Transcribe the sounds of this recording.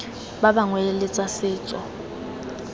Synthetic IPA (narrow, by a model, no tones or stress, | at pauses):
babaŋwɛlɪt͡sʼasɪːt͡sʼɔ